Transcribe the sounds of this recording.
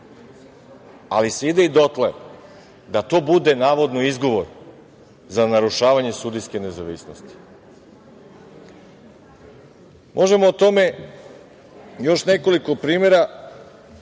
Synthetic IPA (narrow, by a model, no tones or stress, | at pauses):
aliseid̪eid̪o̞t̪le | d̪at̪o̞ːbud̪e̞naːʋo̞d̪noizɡo̞ʋoɾ | zanaɾuʃaːʋaɲe̞sud̪iske̞ne̞zaʋisnost̪i̥ | mʔo̞ʒe̞moːt̪o̞me̞ | jo̞ʃne̞ko̞liko̞pɾiːme̞ɾa